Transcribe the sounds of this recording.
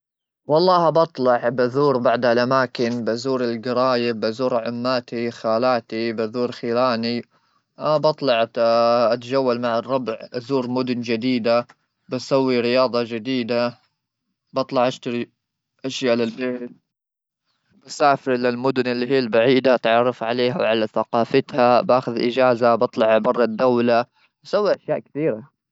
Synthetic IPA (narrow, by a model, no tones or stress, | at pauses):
wɑlˤːɑːhabɑt̪ˤlɑʕbaðuːɾbaʕd̪halʔamaːkɪnbazuːɾɪlɡɪɾɑːjɪbʔazuːɾʕʊmːaːt̪ixaːlaːt̪ibaðuːɾxiːlaːni | bɑt̪ˤlɑʕʔat̪ad͡ʒawːalmaʕɑrˤːɑbʕʔazuːɾmʊd̪ʊnd͡ʒɪd̪iːd̪a | basawːiɾɪjɑːd̪ˤɑd͡ʒɪd̪iːd̪a | bɑt̪ˤlɑʕʔaʃt̪aɾi | ʔaʃjaʔlalbeːt̪̚ | b̥asaːfɪɾlɪlmʊd̪ʊnɪlːiɦiːalbaʕiːd̪aʔt̪ʕɑrˤːɑfʕaleːhawʕalaθaqɑːfat̪habaːxʊðʔɪ̰d͡ʒaːzabɑt̪ˤlɑʕbɑrˤːɑd̪awla | basawːiʔaʃjaːʔkɪθiːɾa